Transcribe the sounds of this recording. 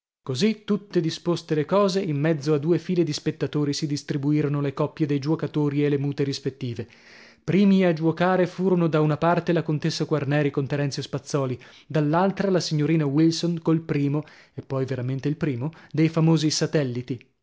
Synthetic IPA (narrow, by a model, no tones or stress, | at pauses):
kozit̪ːut̪ːed̪ispost̪elekɔːzeimːɛd̪zːoad̪uːefiːled̪ispet̪ːat̪oːɾisid̪ist̪ɾibuiːɾonolekɔpːjed̪ejd͡ʒuwokat̪oːɾielemuːt̪eɾispet̪ːiːve | pɾiːmiad͡ʒuokaːɾefuːɾonod̪aunapart̪elakont̪esːakwarnɛːɾikont̪eɾɛnsjospat̪sːɔːli | d̪alːalt̪ɾalasiɲːoɾiːnawilsonkolpɾiːmo | epːɔjveɾament̪eilpɾiːmod̪ejfamoːzisat̪ɛlːit̪i